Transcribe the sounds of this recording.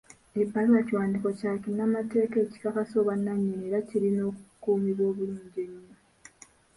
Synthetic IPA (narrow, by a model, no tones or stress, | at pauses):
ipːaɾwaciwaːndiko̞caːkinamate̞ːke̞ːci̥kakaso̞βanːaɲːineɾaciɾino̞ːkukuːmiβo̞ːβuluːɲɟeɲːo